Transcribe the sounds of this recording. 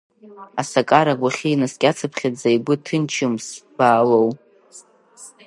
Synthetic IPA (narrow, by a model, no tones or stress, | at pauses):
asakʼaɾaɡʷaχʲiinaskʲʼat͡sʰɨpʰχʲad͡zaiɡʷʊtʰɨnt͡ʃʰɪmsbaːlow